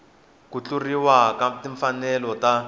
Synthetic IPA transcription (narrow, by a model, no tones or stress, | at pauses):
kut͡ɬuriwakatiɱfanɛlɔta